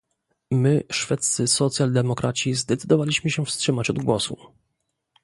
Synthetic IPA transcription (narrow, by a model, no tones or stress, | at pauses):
mɘʂfɛt̪ssɘsɔt̪sʲjald̪ɛmɔkɾʔat͡ɕizd̪ɛt̪sɘd̪ɔvalʲiɕmɘɕɛ̃fstʂɘmat͡ɕɔd̪ɡwɔsu